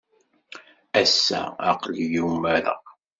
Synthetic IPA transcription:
æsːæ̰ɑqlijumːæɾæ̰

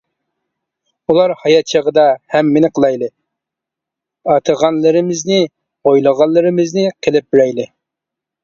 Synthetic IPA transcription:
ulˠɑɾhɑjɑt̪̚t͡ʃʰɑʁəd̪ɑhɛmːenɪqʰəlˠɑjlˠɨ | ɑt̪ʰəʁɑnlˠɨɾɪmɪznɪ | ojlˠəʁɑnlˠɨɾɪmɪznɪqʰelɪp̚byɾɛjlˠɪ

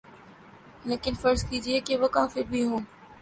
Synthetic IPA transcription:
leːkɪnfɐɾzkiːd͡ʒiekeʋɐkaːfɪɾbʱiɦũː

